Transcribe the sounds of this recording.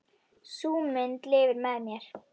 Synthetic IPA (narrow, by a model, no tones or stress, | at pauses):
suːmɪnt̪lɪːvɪɾmɛðmjɛɾ̥